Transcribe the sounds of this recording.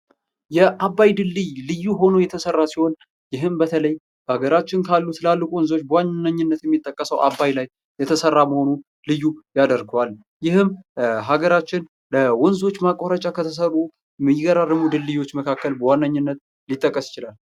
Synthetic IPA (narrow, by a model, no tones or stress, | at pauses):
jɛʔabːajd̪ɨlːɨjlɨjːuɦo̞nojɛt̪ʰəsərːasiho̞n | jɪɦɨmbət̪ʰələj | b̥əaɡəɾat͡ʃːɪnkʰalːut̪ʰɨlalːɨkʷʼuwɔnzo̞t͡ʃːbəwannːəɲːɪnːət̪jɛmːit̪ʼːəkʼːəsəwʔabːajlaj | jɛt̪ʰəsərːaməho̞nu | lɨjːujad̪əɾɡəwal | jɪhɨmɦaɡəɾat͡ʃːɪn | ləwɔnzo̞t͡ʃːmakʼːoɾət͡ʃʼakʰət̪ʰəs̬ərːu | mɨjɪɡəɾarɨmud̪ɨlːɨjwo̞t͡ʃːməkʰakːəlbəwanːaɲːɨnːət̪ | lit̪ʼːəkʼːəsjɪ̥t͡ʃɪlal